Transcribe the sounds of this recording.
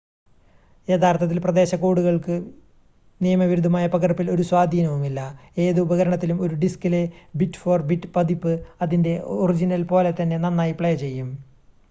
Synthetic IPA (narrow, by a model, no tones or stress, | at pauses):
e̞ːd̪ʰʱaːrt̪ʰːɐt̪̬ːilprɐd̪e̞ːɕɐkoːɽuɣɐɭkɨ | nijɐmɐʋiɾud̪ʱːɐmaːjɐpɐkɐrpːilo̞ɾuswaːd̪ʱiːnɐʋumilːɐe̞ːðɨubɐɣɐɾɐɳɐt̪ːilumo̞ɾuɖiskɨlebitːfoːrbiʈːpɐd̪ipːɨɐðinde̞orid͡ʑinɐlpo̞ːlet̪ɐnːe̞nɐnːaːjipɭejɐt͡ɕe̞jːum